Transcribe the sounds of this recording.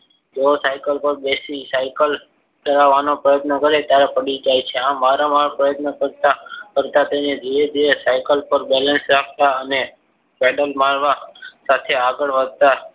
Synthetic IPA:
d͡ʒosajkəlpəɾbesisajkəl | kəɾaʋanopɾəjət̪nəkəɾet̪jaɾepəɽid͡ʒajt͡ʃʰeãmmaɾamaɭpɾəjət̪nəkəɾt̪akəɾt̪at̪ened̪ʱiɾed̪ʱiɾesajkəlpəɾbɛlə̃nsɾak̚ʰt̪aəne | pɛɖəlmaɭʋasat̪ʰeaɡəɭʋəd̪̚t̪a

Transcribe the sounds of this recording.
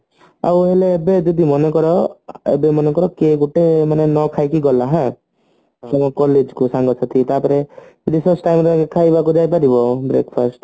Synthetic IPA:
a̰wɦeleːbed͡ʒɔd̪imɔnekɔɾɔḛbemɔnekɔɾɔkeɡuʈemanenɔkʰajkiɡɔlaɦã | tɔmɔkɔled͡ʒkusaŋɡɔsʰat̪ʰit̪apɔɾed͡ʒɔd̪isɔsʈajmɾaɡekʰajbakud͡ʒajpaɾibɔbɾekpʰasʈ

